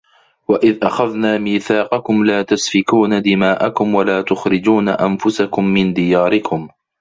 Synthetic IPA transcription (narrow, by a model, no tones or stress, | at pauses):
waʔɪðʔaxaðnaːmiːθaːqɑkʊmlaːt̪asfɪkuːnad̪ɪmaːʔakʊmwalaːt̪ʊxɾɪd͡ʒuːnaʔanfʊsakʊmːɪnd̪ɪjaːɾɪkʊm